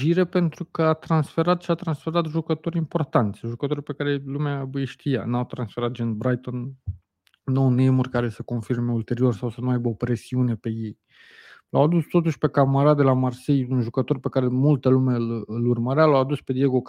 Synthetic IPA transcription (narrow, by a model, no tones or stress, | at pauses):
ʒiɾe̞pe̞nt̪ɾukəat̪ɾansfe̞ɾat̪ʃiat̪ɾansfe̞ɾat̪ʒukət̪o̞ɾʲimpo̞rt̪ant̪sʲʒukət̪o̞rʲpe̞kaɾe̞lumeabujʃt̪ija̰nawt̪ɾansfe̞ɾat̪̚d͡ʒenbɾajt̪o̞nː | ownemurkaɾe̞səko̞nfirme̞ult̪e̞ɾio̞rsawsənuajbəopɾe̞siune̞pe̞je̞j | lawad̪ust̪o̞t̪uʃʲpe̞kaməɾad̪e̞lamarsejunʒukət̪o̞rʲpe̞kaɾe̞mult̪əlume̞ɨlurməɾealawad̪usped̪jeɡo